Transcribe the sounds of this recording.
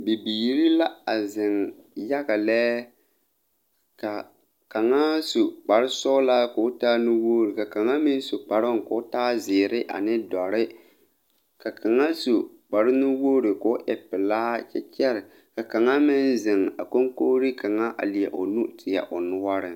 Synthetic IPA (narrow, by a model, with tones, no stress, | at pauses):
bi˨biː˨ɾi˦la˦a˨zɪ˨ŋja˦ɣa˨lɛː˦ | ka˨ | ka˨ŋa˦su˨k͡pa˨ɾɪ˦sɔ˦laː˦kʊ˨˦taː˦nu˦woː˦ɾɪ˨ka˨ka˨ŋa˦mɪ˦n˦su˨k͡pa˨ɾʊ˦ŋ˨kʊ˨˦taː˦zɪː˨ɾɪ˦ʔa̰˨nɪ˦dɔ˨ɾɪ˦ | ka˨kʰa˨ŋa˦su˨k͡pa˨ɾɪ˦nu˦woː˦ɾɪ˨kʊ˨˦ʔɛ˨pɪ˨laː˦t͡ʃɛ˦t͡ʃɛ˦ɾɪ˨ | ka˨ka˨ŋa˦mɪ˦nzɪ˨ŋa̰˨ko˦ŋkoː˦ɾi˦ka˨ŋa˦ʔa̰˨li˨ɛ̰˨ʔo˨nu˦tʰɪ˨ja̰˨ʔʊ˨nʊ˦wa˦ɾɪ˨